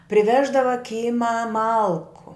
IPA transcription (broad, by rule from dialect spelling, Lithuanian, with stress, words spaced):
pʲrʲɪˈʋʲæːʒdɐʋɐ ˈkʲiːmɑː ˈmɐlˠkʊ